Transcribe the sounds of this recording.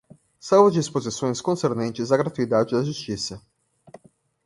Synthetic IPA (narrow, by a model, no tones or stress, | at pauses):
sawvɐd͡ʒispozisõj̃skõseɾnẽnt͡ʃɪzɐɡɾat̪uid̪ad͡ʒɪd̪ɐʒust͡ʃisɐ